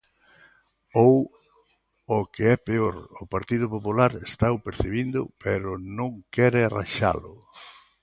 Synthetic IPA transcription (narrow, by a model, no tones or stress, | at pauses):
ow | okeɛpeoɾʊpaɾt̪iðʊpopulaɾest̪awpeɾθiβind̪ʊ̰pɛɾʊnõŋkɛɾɪra̰ʃa̰lʊ